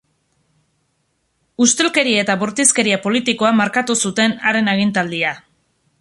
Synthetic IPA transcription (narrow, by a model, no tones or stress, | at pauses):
ust̪e̞lke̞ɾiet̪aβoɾt̪iske̞ɾiapo̞lit̪iko̞amaɾkat̪usut̪e̞naɾe̞naɣ̞int̪ald̪ia